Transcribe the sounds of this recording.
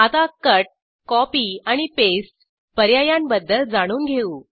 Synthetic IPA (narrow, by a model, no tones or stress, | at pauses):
at̪akəʈ̚ | kɔpiːaɽ̃ipesʈ | pəɾjajambəd̪ːəld͡zaɽ̃uːnɡʱeuː